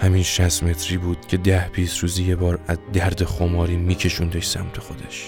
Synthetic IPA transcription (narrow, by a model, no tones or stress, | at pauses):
hæmiːnʃæst̪me̞t̪ʰɾiːbuːd̪̥cʰe̞d̪æhbiːsɾuːzijebɒːɾæzd̪æɾd̪exomɒːɾiːmiːcʰe̞ʃund̪ɒʃsæ̰mt̪ʰe̞xo̞d̪eʃ